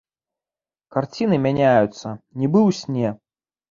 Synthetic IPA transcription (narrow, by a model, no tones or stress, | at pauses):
kart͡sʲinɨmʲanʲajut̪sːɐnʲibɨwsʲnʲɛ